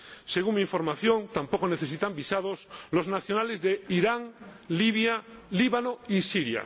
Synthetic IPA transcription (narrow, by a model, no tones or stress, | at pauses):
se̞ɣuŋmiɱfo̞ɾmaθjõnt̪ampokone̞θe̞s̬it̪ambisað̞osloznaθjo̞nalezðeiɾaŋliβ̞jaliβanoisiɾja̰